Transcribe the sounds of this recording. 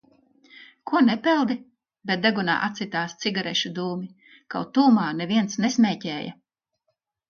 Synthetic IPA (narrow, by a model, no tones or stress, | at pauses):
kuɔnɛpɛlˠd̪i | bɛt̪̚d̪eɡuna̰ːʔat̪sit̪aːst̪siɡaɾɛʃud̪uːmi | kawt̪uːmaːnɛviɛnt̪snesmʲɛːcɛːjɐ̰